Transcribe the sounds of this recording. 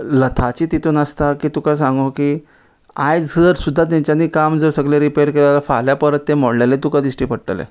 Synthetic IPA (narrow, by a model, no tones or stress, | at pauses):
lət̪ʰat͡ɕiːt̪it̪ʰonəst̪akiːt̪ukasãŋɡokiː | ajd͡zəɾsud̪ʱːat̪̬jaɲt͡ɕjaniːkamd͡zəɾsəɡlẽɾipeəɾkelalafa̰ljapəɾət̪ːemoɽlalet̪ukad̪isʈiːpəɽʈə̰lḛ